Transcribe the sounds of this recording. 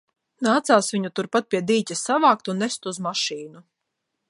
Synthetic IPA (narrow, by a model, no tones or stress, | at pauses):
naːt̪saːsvʲiɲut̪uɾpat̪̚pʲiɛd̪iːc̪ʲasavaːk̚t̪unːɛst̪uzmaʃiːnu